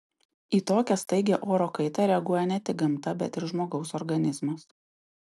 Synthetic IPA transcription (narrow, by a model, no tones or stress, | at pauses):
iːt̪oːkʲɛst̪ɐɪɡʲeːʔoːɾoːkɐɪt̪ɐɾʲɛɐɡuɔjɛnʲɛt̪ʲɪk̚ɡɐmt̪ɐbʲɛt̪ɪɾʒmoːɡɒʊsɔɾɡɐnʲɪzmɐs